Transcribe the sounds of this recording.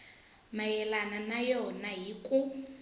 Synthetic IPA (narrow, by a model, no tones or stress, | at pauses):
majɛlananajɔnaɦikʼu